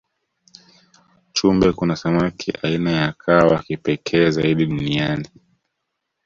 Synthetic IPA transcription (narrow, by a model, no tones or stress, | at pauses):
t͡ʃumbɛkunasamakʰiʔainajakʰawakipɛkʰɛːzaiɗiɗuniani